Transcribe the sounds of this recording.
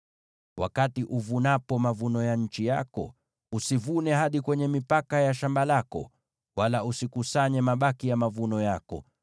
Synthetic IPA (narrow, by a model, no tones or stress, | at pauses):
wa̰katiʔuvunapɔmavunɔjaɲ̩t͡ʃija̰kɔ̰ | usivunɛhaɗikwɛɲɛmipakajaʃambalakɔ̰ | walausikusaɲɛmaɓakijamavunɔjakɔ̰